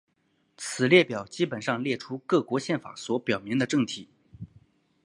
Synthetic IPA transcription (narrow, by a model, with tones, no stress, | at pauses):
t͡sʰɹ̩˨˩ljɛ˥˩pjɑ˨˩ʊt͡ɕi˥pə˨˩nʂɑ˥˧ŋljɛ˥˩ʈ͡ʂʰu˥kɤ˥˩kwɔ˧˥ɕjɛ˥˩nfa̰˨˩˥swɔ˧˥pjɑ˨˩ʊmi˧˥ŋd̪ə˧ʈ͡ʂɤ˥˩ŋt̪ʰi˨˩˦